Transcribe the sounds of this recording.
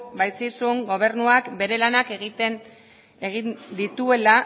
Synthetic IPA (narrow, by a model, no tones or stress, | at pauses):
bajsisuŋɡo̞β̞e̞ɾnuakbe̞ɾe̞lanake̞ɣit̪e̞n | eɣind̪it̪ue̞la